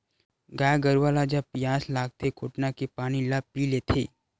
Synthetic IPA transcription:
ɡaːjɡəɾʋaːlad͡ʒapijaːslaːɡt̪ʰekʰoːʈnakepaːnilapileːt̪ʰeː

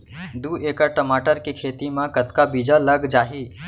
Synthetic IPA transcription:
d̪uːeːkəʈəmaːʈəɾkikʰeːt̪imãkət̪kabiːd͡ʒaləɡd͡ʒaːɦi

